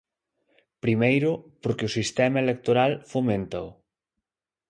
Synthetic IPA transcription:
pɾimejɾʊpoɾkɪʊsist̪ɛmɐelek̚t̪oɾalfomẽnt̪a̰w

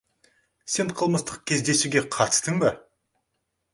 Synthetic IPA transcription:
se̞ɴqʰəlˠməst̪əq̚kʲʰe̞zd̪e̞suɡʲe̞qʰɑt̪ə̥st̪ɪŋbɪ

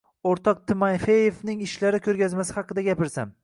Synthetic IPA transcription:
oɾt̪ʰɒq̚t̪ʰɪmajfejevnɪŋɪʃlaɾɪkʲʰɵɾɡʲazmasɪhɑqʰɨd̪aɡʲapɪɾsa̰m

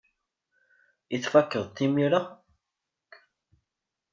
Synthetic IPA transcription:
iθfækːəðt̪ːimiɾa

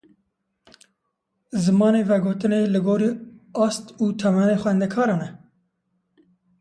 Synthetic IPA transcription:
zɨmɑːneːvɛɡoːt̪ɨneːlɨɡoːɾiːɑːst̪uːt̪ʰɛmɛneːxʷɛnd̪ɛkʰɑːɾɑːnɛ

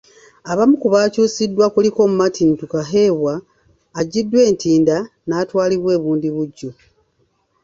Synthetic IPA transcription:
aβamukuβaːcuːsidːwakuliko̞ːmumatʰintukaɦe̞ːβwaː | ɟidːwe̞ːntiːnda | naːtwaːliβwe̞ːβuːndiβuɟːo

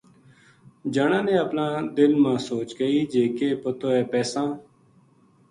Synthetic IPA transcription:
d͡ʒəɳãːnẽːəpnãːd̪ɪlmãːsoːt͡ʃɡəiːd͡ʒeːkeːpət̪oːɛːpɛːsãː

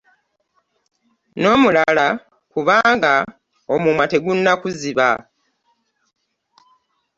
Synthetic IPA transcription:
no̞ːmulala | kuβaːŋɡa | omumwate̞ɡunːakuziβa

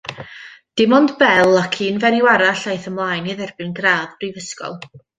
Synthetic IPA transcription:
d̥ɪmɔndbɛlˠakʰiːnvɛɾɪwaɾaɬajθəmlˠaːjniðɛrbɪnɡraːðbrivəskɔ̰lˠ

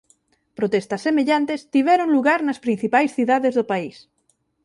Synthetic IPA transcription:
pɾot̪est̪ɐsːemeʎant̪est̪iβ̞ɛɾoŋluɣaɾnɐspɾin̟θipajsθiðaðezðopais

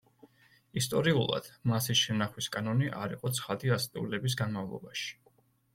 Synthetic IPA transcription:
ist̪ʼɔɾiulˠa̰d̪̥masisʃɛnaχwiskʼanɔniʔaɾiqʼɔt̪sʰχad̪iast̪ʼiulɛbis̬ɡanmavlˠɔ̰baʃi̥

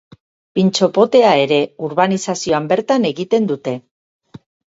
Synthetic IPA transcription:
pint͡ʃo̞po̞t̪e̞ae̞ɾe̞uɾβanisasio̞ambe̞ɾt̪ane̞ɣit̪e̞nd̪ut̪e̞

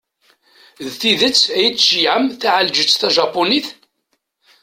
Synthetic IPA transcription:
ðθiðət͡sːæjət͡sːʃijʕəmθæʕald͡ʒət͡sːθæʒɑpːoniθ

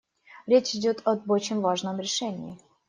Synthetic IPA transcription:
ɾʲet͡ɕɪdʲot̪ʰɐbot͡ɕɪmʲvaʐnəmɾʲɪʂɛnʲɪɪ

